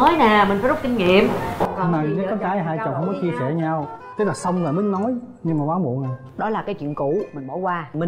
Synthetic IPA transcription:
ɔ˨˦jna˨˩mï˨˩ŋ̟faː˦zk͡p̚ki˧ŋ̟ŋḭ˧˨əmna˨˩˨ə˨˦kːɔ˨˦kaː˨˦jɦaː˧jt͡ɕə˨˩whə˧ŋ͡mmɔ˨˦jt͡ɕi˧əsɛ˧˩ɲa˧wt̪ɨ˦˥k̚laː˨˩sə˧wŋ͡mlaː˨˩ɗɨ̈˨˦ŋnɔ˨˦jɲɨ˧ŋmaː˨˩ɓwaː˨˦wmṵ˧˨əna˨˩j | ɗɔ˨˦laː˨˩kaː˨˦jt͡ɕwḭ˧˨ənkṵ˧˨mï˨˩ŋmo˧˩˦jkwaː˧m˨˩

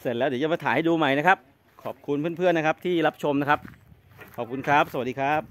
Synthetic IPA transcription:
se˨˩t̪̚lɛː˦˥wdiː˩˦t͡ɕa˧˩maː˧t̪aː˩˦ha˥˩jduː˧ma˧˩jna˦˥kʰa˦˥p̚ | kʰɔː˨˩p̚kʰu˧npʰɯ˥˩ə˨npʰɯ˥˩ənːa˦˥kʰa˦˥p̚t̪ʰiː˥˩ɾa˦˥p̚t͡ɕʰo˧mna˦˥kʰa˦˥p̚ | kʰɔː˨˩p̚kʰu˧nkʰa˦˥p̚sa˧a˩diː˧kʰa˦˥p̚

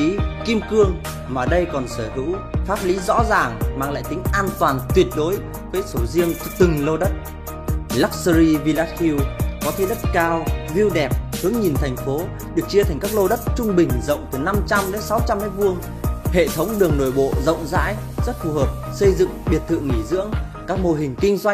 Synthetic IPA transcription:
i˨˦ki˧mkɨ˧əŋ | maː˨˩ɗə˧jkɔ˨˩nsəː˧˩hɨ̰˧˥wfaː˦˥p̚li˨˦zɔ̰˧˥zaː˨˩ŋmaː˧˩ŋla̰ː˧˨jt̪ï˨˦ŋ̟ʔaː˧nt̪waː˨˩nt̪wi˨˩ət̚ɗo˨˦j | vəː˨˦jso˧˩zi˧əŋt͡ɕt̪ɨ˨˩ŋlo˧ɗə˦˥t̚ | laː˦˥k̚sə˧ɾi˧vi˧laː˧˥t̚xi˧wkɔ˨˦t̪ʰe˨˦ɗə˦˥t̚kaː˧wvi˧əwɗɛ˨˩p̚hɨ˨˦əŋɲi˨˩nt̪ʰa˨˩jŋ̟fo˨˦ | ɗɨ˨˩ək̚t͡ɕi˧ət̪ʰɛ˨˩ŋkaː˦˥k̚lo˧ɗə˦˥t̚t͡ɕʊ˧ŋ͡mɓï˨˩ŋ̟zə̰˧˨wŋ͡mt̪ɨ˨˩na˧mt͡ɕa˧mɗe˨˦sa˨˦wt͡ɕa˧mna˨˧˥jvu˧əŋ | hḛ˧˨t̪ʰə˨˦wŋ͡mɗɨ˨˩əŋno˧˩jɓo̰˧˨zə̰˧˨wŋ͡mza̰ː˧˥j | zə˦˥t̚fu˧˩həː˨˩p̚sə˧jzɨ̰˧˨ŋɓi˨˩ət̚t̪ʰɨ̰˧˨ŋi˧˩zɨ̰˧˥əŋ | kaː˦˥k̚mo˧ɦï˨˩ŋ̟ki˧ŋ̟zwa˧jŋ

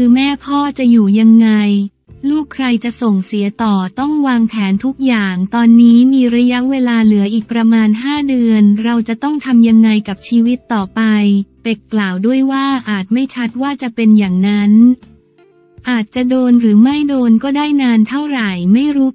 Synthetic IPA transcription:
kʰɯː˧mɛː˥˩pʰɔː˥˩t͡ɕa˨˩juː˨˩ja˧ŋːa˧j | luː˥˩kʰːɾa˧jt͡ɕa˨˩ʔso˨˩ŋsi˩˦ət̪ɔː˨˩t̪ɔ˥˩ŋwaː˧ŋpʰɛː˩˦nt̪ʰu˦˥k̚jaː˨˩ŋt̪ɔː˧nːiː˦˥miː˧ɾa˦˥ja˦˥ʔweː˧laː˧lɯ˩˦ʔiː˨˩k̚pɾa˧maː˧nɦaː˥˩dɯ˧ənɾa˧wt͡ɕa˨˩t̪ɔ˥˩ŋt̪ʰa˧mja˧ŋːa˧jka˨˩p̚t͡ɕʰiː˧wi˦˥t̪ːɔː˨˩pa˧jpe˨˩kːlaː˨˩wdu˥˩əjwaː˥˩ʔaː˨˩t̪̚ma˥˩jt͡ɕʰa˦˥t̪̚waː˥˩t͡ɕa˨˩pe˧njaː˨˩ŋna˦˥n | ʔaː˨˩t̪̚t͡ɕa˨˩doː˧nɾɯː˩˦ma˥˩jdoː˧nkɔː˥˩daː˥˩jnaː˧nt̪ʰa˥˩wɾa˨˩jma˥˩jɾu˦˥

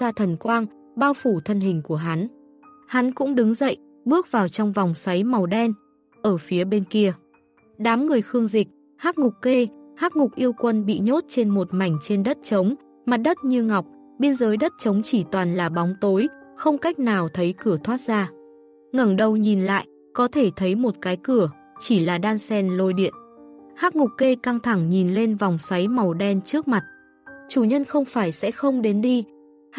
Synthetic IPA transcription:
zaː˧t̪ʰə˨˩nkwaː˧ŋ | ɓaː˧wfu˧˩t̪ʰə˧nɦï˨˩ŋ̟ku˧˩əɦa˨˦n | ha˨˦nkʊ̰˧˥ŋ͡mɗɨ˨˦ŋzə̰˧˨jʔ | ɓɨ˦˥ək̚vaː˨˩wt͡ɕɔ˧wŋ͡mvɔ˨˩wŋ͡mswa˨˦jma˨˩wɗɛ˧n | ʔəː˧˩fi˨˦əɓe˧nki˧ə | ɗaː˨˦mŋɨ˨˩əjxɨ˧əŋzï˨˩k̚ | haː˦˥t̚ŋʊ˨˩k͡p̚ke˧haː˦˥t̚ŋʊ˨˩k͡p̚ʔi˧əwkwə˧nɓḭ˧˨ɲo˦˥t̚t͡ɕe˧nmo˨˩t̚ma˧˩jŋ̟t͡ɕe˧nɗə˦˥t̚t͡ɕə˨˦wŋ͡m | maː˨˩t̚ɗə˦˥t̚ɲɨ˧ŋa˨˩wk͡p̚ | ɓi˧ənzəː˨˦jɗə˦˥t̚t͡ɕə˨˦wŋ͡mt͡ɕi˧˩t̪waː˨˩nlaː˨˩ɓa˨˦wŋ͡mt̪o˨˦jxə˧wŋ͡mka˦˥jk̟̚naː˨˩wt̪ʰə˨˦jkɨ˧˩ət̪ʰwaː˦˥t̚zaː˧ | ŋə˨˩nɗə˧˩wɲi˨˩nla̰ː˧˨j | kɔ˨˦t̪ʰe˧˩t̪ʰə˨˦jmo˨˩t̚kaː˨˦jkɨ˧˩ə | t͡ɕi˧˩laː˨˩ɗaː˧nsɛ˧nlo˧jɗḭ˧˨ənhaː˦˥k̚ŋʊ˨˩k͡p̚ke˧ka˧ŋt̪ʰa˧˩ŋɲi˨˩nle˧nva˨˩wŋ͡mswa˨˦jma˨˩wɗɛ˧nt͡ɕɨ˦˥ək̚ma˨˩t̚ | t͡ɕu˧˩ɲə˧nxə˧wŋ͡mfaː˧˩jsɛ̰˧˥xə˧wŋ͡mɗe˨˦nɗi˧

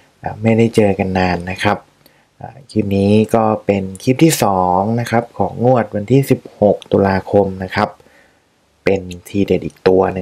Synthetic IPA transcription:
ʔaː˨˩ma˥˩jda˥˩jt͡ɕɤː˧ka˧nːaː˧nːa˦˥kʰɾa˦˥p̚ | ʔaː˨˩kʰiː˥˩m̚niː˦˥kɔː˥˩pe˧nkʰiː˦˥˩p̚t̪ʰiː˥˩sɔː˩˦ŋna˦˥kʰa˦˥p̚kʰɔː˩˦ŋːu˥˩ɐt̪̚wa˧nt̪ʰiː˥˩si˨˩p̚ho˨˩k̚t̪u˧laː˧kʰo˧mna˦˥kʰa˦˥p̚ː | e˧nt̪ʰiː˧de˨˩t̪̚ʔiː˨˩k̚t̪u˧ɐnɯ˧˩ŋ

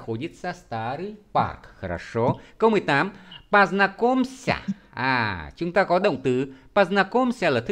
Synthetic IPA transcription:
xo˨˦ɲi˦˥t̚saː˧st̪a˨˦ɾi˧pa̰˨˩kɾa̰˨˩ʂo˨˦kə˧wmɨ˨˩əjt̪aː˨˦mpaː˧˩znaː˧ko˧msa̰˧˩ʔa̰ː˨˩t͡ɕʊ˨˦ŋ͡mt̪aː˧kɔ˨˦ɗə̰˧˨wŋ͡mt̪ɨ˨˦paː˧˩znaː˧ko˧msa˧˩laː˨˩t̪ʰ

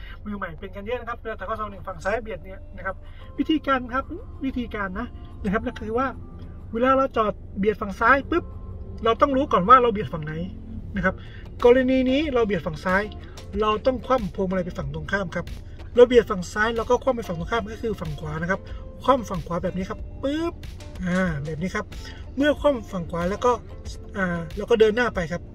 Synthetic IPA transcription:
mɯː˧ma˨˩jpe˧nka˧njɛː˥˨na˦kʰp̚ːt̪aː˨˩kɔ˥˩sʰa˧˦nɯ˨˩fa˨˩ŋsaː˦˥jbi˨˩ət̪̚ni˦˥ɐna˦˥˩kʰa˦˥p̚ | wi˦˥t̪ʰiː˧kaː˧nkʰa˦˥p̚wi˦˥t̪ʰiː˧kaː˧nːa˦˥ | na˧˥˩kʰa˦˥p̚na˥˩kʰɯː˧waː˥˩ | weː˧laː˧˩ɾa˧wt͡ɕɔː˨˩t̪̚bi˨˩ət̪̚fa˨˩ŋsaː˦˥jpɯ˦˥p̚ɾa˧wt̪ɔ˥˩ŋɾuː˦˥kɔː˨˩nwaː˥˩ɾa˧wbi˨˩ət̪̚fa˨˩ŋna˨˦j | na˦˥kʰa˦˥p̚ | kɔː˧ɾa˧niː˧niː˦˥ɾa˧wbi˨˩ət̪̚fa˨˩ŋsaː˦˥j | ɾa˧wt̪ɔ˥˩ŋkʰwa˧˥˩mpʰoː˧mʔa˧ɾjpa˧˩nfa˨˩ŋt̪o˧əŋkʰaː˥˩mkʰa˦˥p̚ | ɾa˧wbi˨˩ət̪̚fa˨˩ŋsaː˦˥jlɛ˧wkɔː˥˩kʰa˥˩mpa˧jfa˨˩ŋt̪u˧kʰaː˥˩˨mkaː˥˩kʰɯː˧fa˨˩ŋkʰwaː˨˦na˦˥kʰa˦˥p̚kʰwaː˥˩˨mfa˨˩ŋkʰwaː˨˦bɛː˨˩p̚niː˦˥kʰa˦˥pːɯ˦˥p̚ | ʔaː˧˩bɛː˨˩p̚niː˦˥kʰa˦˥p̚ | mɯ˥˩ɐkʰwaː˥˩˨mfa˨˩ŋkʰwaː˨˦lɛː˦˥wkɔː˥˩ | ʔaː˨˩lɛː˧˥˩kɔː˥˩dɤː˧nːaː˥˩pa˧jkʰa˦˥p̚

